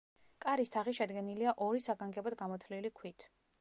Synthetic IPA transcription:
kʼaɾist̪ʰaʁiʃɛd̪ɡɛniliaʔɔɾisaɡaŋɡɛbɔd̪ɡamɔt̪ʰlilikʰwit̪ʰ

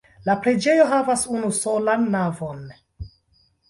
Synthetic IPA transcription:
lapɾe̞d͡ʒe̞jo̞ɦavasunuso̞lanːavo̞n

